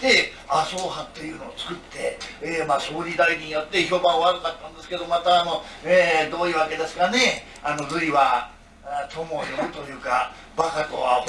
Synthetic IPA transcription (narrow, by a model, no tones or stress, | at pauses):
t̪e̞ | asoːhat̪ːe̞jɯ̟ːno̞ːt͡sɨ̥kɯ̟t̪ʰːe̞emaːsoːɾʲid̪aidĩjot̪ːe̞ço̞ːbãoβaɾɯnat̪ːãnd̪esɨ̥ke̞d̪o̞mat̪aːno̞ | ed̪o̞ːiːβake̞d̪e̞sɨ̥kane̞ | ano̞ɾɯiβa | t̪ʰo̞mojomɯ̟t̪o̞jɯ̟ːka | bakat̪oβa̰h